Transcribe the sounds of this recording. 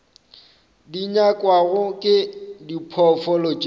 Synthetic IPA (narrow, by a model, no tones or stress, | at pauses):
diɲakʼwaɣʊkʼɪdipʰɔfɔlot͡ʃʼi